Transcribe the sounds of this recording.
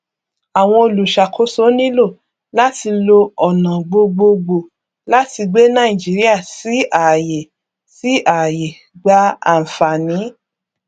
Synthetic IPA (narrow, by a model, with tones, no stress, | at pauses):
a˨w̃ɔ̃˧o˧lu˨ʃa˨kʰo˨˦so˦nĩ˦lo˦˨ | la˦ti˧lo˧ɔ˨nã˨ɡ͡bo˧ɡ͡bo˧ɡ͡bo˧˨ | la˦ti˧ɡ͡be˦nã˦ĩ˨d͡ʒi˨˦ɾi˦a˦˨si˨˦a˨je˨ | si˨˦a˨je˨ | ɡ͡ba˧a˨fa˨nĩ˨˦